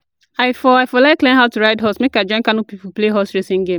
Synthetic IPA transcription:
aɪfɔaɪfɔlaɪkklẽnɦaʊtuɹaɪtɦɔsmekaɪd͡ʒɔ̃ɪ̃nkanupipupleɦɔsɹesĩŋɡẽm

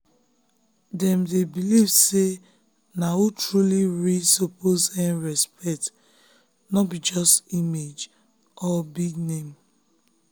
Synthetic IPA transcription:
dɛ̃mdebilivse | nawutɹuliɹisopozɛ̃nɹɛspʰɛk̚t | nɔtbid͡ʒɔstimed͡ʒ | ɔbiɡnẽm

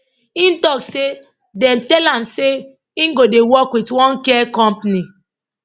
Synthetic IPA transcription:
ĩntɔkse | dɛ̃ntɛlãmse | ĩŋɡodewɔkwitwɔ̃nkɛkɔ̃mpni

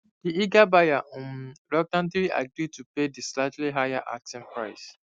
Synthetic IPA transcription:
d̥iiɡabajaʔɔ̃nɾɔk̚tãndiɾiʔa̰ɡɾid̚tupedislad͡ʒliɦajaʔa̰k̚tĩnpɹa̰ɪs

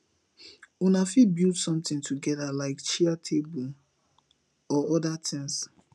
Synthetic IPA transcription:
unafibildsɔ̃mtɪ̃ŋtʰuɡɛdalaɪkt͡ʃiatʰebul | ɔɔdatʰɪ̃ŋs

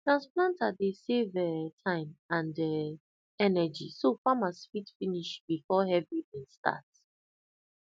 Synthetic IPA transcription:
tɹãnsplãntadesevɛtʰãɪ̃mãndɛ | ɛnɛd͡ʒisofamasfitfĩniʃbifɔhɛvidĩnsta̰t

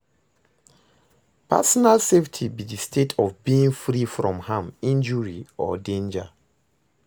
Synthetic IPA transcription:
pa̰sɔnalseftʰibidistʰetʰɔvbiːĩŋfɹifɹɔ̃mhãmĩnd͡ʒuɹiɔ̰dẽnd͡ʒa

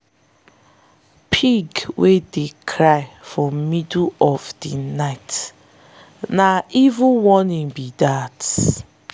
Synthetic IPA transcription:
pʰiɡwedekʰɹaɪfɹɔ̃midɔvdinaɪt | naivũnwɔnĩnbidat

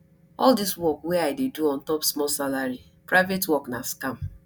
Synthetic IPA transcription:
ɔldiswɔkwɛaɪdeduɔ̃n̩tɔpsmɔlsalaɹi | pɹaɪvetwɔknaskãm

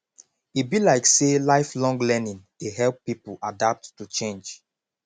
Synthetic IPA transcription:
it̚bilaɪkselaɪflɔ̃ŋɡlɛnĩn | eɦɛlˠpːipuʔadap̚tːut͡ʃẽnd͡ʒ

